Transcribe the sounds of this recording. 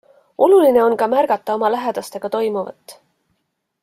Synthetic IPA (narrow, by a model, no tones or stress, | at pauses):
ʔo̞luline̞o̞nkɑmærɡ̥ɑt̪ˑːɑo̞mɑlæɦe̞d̪̥ɑst̪e̞ɡ̥ɑt̪o̞jmuvɑ̰t̪ˑː